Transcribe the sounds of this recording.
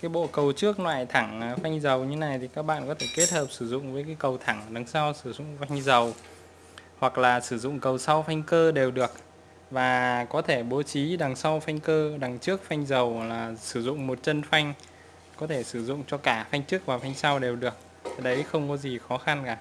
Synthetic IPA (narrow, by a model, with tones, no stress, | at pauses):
kaː˨˦jɓo̰˧˨kə˨˩wt͡ɕɨ˦˥ək̚nwa̰ː˧˨jt̪ʰa˧˩ŋ˨˩fa˧jŋ̟zə˨˩wɲɨ˧na˨˩jt̪ʰi˨˩kaː˦˥k̚ɓa̰ː˧˨nkɔ˨˦t̪ʰe˧˩ke˦˥t̚həː˨˩p̚sɨ˧˩zʊ̰˧˨ŋ͡mvəː˨˦kaː˨˦jkə˨˩wt̪ʰa˧˩ŋɗa˨˦ŋsa˧wsɨ˧˩zʊ̰˧˨ŋ͡mfa˧jŋ̟zə˨˩w | hwa˨˩k̚laː˨˩sɨ˧˩zʊ̰˧˨ŋ͡mkə˨˩wsa˧wfa˧jŋ̟kəː˧ɗe˨˩wɗɨ˨˩ək̚ | vaː˨˩kɔ˨˦t̪ʰe˧˩ɓo˨˦t͡ɕi˨˦ɗa˨˩ŋsa˧wfa˧jŋ̟kəː˧ɗa˨˩ŋt͡ɕɨ˦˥ək̚fa˧jŋ̟zə˨˩wlaː˨˩sɨ˧˩zʊ̰˧˨ŋ͡mmo˨˩t̚t͡ɕə˧nfa˧jŋ̟ | kɔ˨˦t̪ʰe˧˩sɨ˧˩zʊ̰˧˨ŋ͡mt͡ɕɔ˧kaː˧˩fa˧jŋ̟t͡ɕɨ˦˥ək̚vaː˨˩fa˧jŋ̟sa˧wɗe˨˩wɗɨ˨˩ək̚ʰ | a˨˩ɗə˨˦jxə˧wŋ͡mkɔ˨˦zi˨˩xɔ˨˦xa˧nkaː˧˩